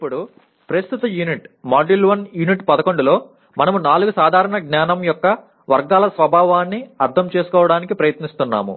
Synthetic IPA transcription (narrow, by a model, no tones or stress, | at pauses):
ipːuɽu | pɾɐst̪ʰut̪ɐjuniʈmaːɖilʋɐnjuniʈpɐd̪ɐko̞ɳɖulo̞ː | mɐnɐmunaːluɡusaːd̪ʱaːɾɐɳɐɡnaːnɐmjɔkːɐ | ʋɐɾɡaːlɐsʋɐbʱaːʋaːnːiɐɾt̪ʰɐmt͡ʃe̞ːsu̥kɔːʋɐɽaːnikipɾɐjɐt̪nist̪unːa̰ːmṵ